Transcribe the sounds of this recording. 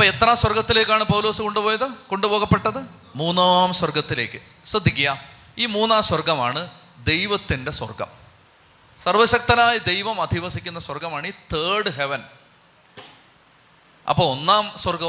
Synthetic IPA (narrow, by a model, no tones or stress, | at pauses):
ɐpːet̪ːrɐmswɐrɡɐt̪ːile̞ːkːaːɳɨpɐwlo̞ːsɨko̞ɳɖupoːjɐðɨko̞ɳɖubo̞ːɣɐpːe̞ʈːɐðɨ | muːnːaːmswɐrɡɐt̪ːile̞ːkːɨ | srɐd̪ʱːikʲːijɐ | iːmuːnːaːmswɐrɡɐmaːɳɨ | d̪e̞jʋɐt̪ːinde̞swɐ̰rɡɐ̰m | sɐrʋɐɕɐk̚t̪ɐnaːjɐd̪e̞jʋɐmɐd̪ʱiʋɐsikʲːunːɐswɐrɡɐmaːɳiːt̪eːɖɨɦeʋɐn | ʔɐ̰pːoːonːaːmswɐrɡɐ